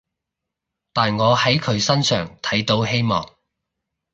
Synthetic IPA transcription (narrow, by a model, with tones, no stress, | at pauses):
t̪aː˨nŋɔː˨˧hɐ˨˥jkʰɵ˨˧ɥsɐ˥nsœ̰ː˨˩ŋt̪ʰɐ˨˥jt̪o˨˥whe˥jmɔ̰ː˨˩ŋ